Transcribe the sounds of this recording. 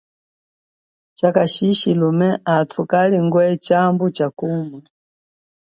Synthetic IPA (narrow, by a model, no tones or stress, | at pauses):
t͡ʃakaʃiʃilumɛatʰukaliŋɡwɛt͡ʃambut͡ʃakuma